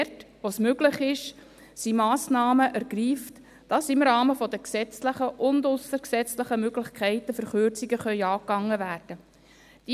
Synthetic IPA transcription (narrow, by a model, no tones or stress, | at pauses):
tʋosmøɡlɪχɪʃ | simɑːsnɑːməʔæɾɡ̥riːft | d̥ɑsɪmɾɑːməfɔd̪əksɛt͡sləχəʔʊndʊsəɾksɛt͡sləχəmøɡlɪχkʰɛɪtəfəɾχøɾt͡siɡəχœʏɑːkɑŋːəvæːrd̥ə | d̥iː